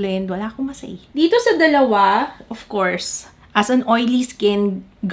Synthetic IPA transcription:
lɛnd̪wɐlaːkomɐsɐ̰ɪd̪iːt̪osɐd̪ɐlɐwaʔɔfkoɹs | ʔɐsɐnʔojliskɪ̃n | ɡ

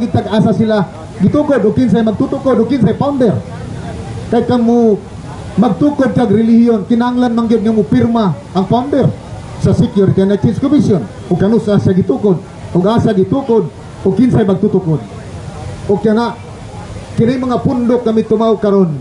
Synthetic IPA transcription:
ŋɡɪd̚t̪aɡaːsasila | ɡɪt̪ukʊd̪ʊɡ̚kɪnsajmaɡ̚t̪ut̪ʊkod̪ʊɡ̚kɪnsajpawnd̪ɛɾ | kajkaŋmʊ | maɡ̚t̪ukʊd̪̚kaɡɾɪlihjont̪ɪnahaŋlanmaŋɡɪd̪̚ŋamʊpɪrma | ʔaŋpawnd̪ɛr | sasɪkjʊɾit̪inak̚sɪnskʊmisjon | ʊɡ̚kanʊsasaɡɪt̪ukʊd̪̚ | ʊɡaːsaɡɪt̪ukʊd̪̚ | ʊɡ̚kɪnsajmaɡ̚t̪ut̪ʊkʊd̪̚ | ʊɡ̚kanaʔ | kɪnɪŋmaŋapʊnd̪ʊk̚ŋamit̪ʊmaʊʔkaɾon

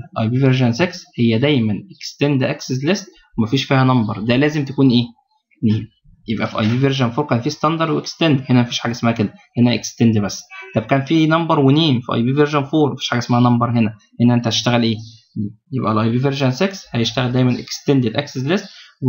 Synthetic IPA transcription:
ʔɑjbiːveɾʒænsekshejːæd̪æjmænʔekst̪end̪ʔæksezlest̪ | wemæfiːʃfiːhænɑmbɑɾˤd̪ælæːzemt̪ækuːnʔeː | neːm | jebʔæfiʔɑjbiːveɾʒænfoːɾkæːnfiːst̪ænd̪ɑɾˤd̪weʔekst̪end̪henæmæfiːʃħaːɡæesmæhæked̪æhenæʔekst̪end̪bæsːt̪ɑb̚kæːnfinɑmbɑɾˤweneːmfiʔɑ̰jbiːveɾʒænfoːɾˤmæfi̥ːʃħaːɡæʔesmæhænɑmbɑɾˤhenæ | henæʔent̪æt̪e̥ʃt̪æɣælʔeː | neːmjebʔælʔɑjbiːveɾʒænsekshæjeʃt̪æɣæld̪æjmænʔḛkst̪end̪ed̪ʔæksezlest̪w

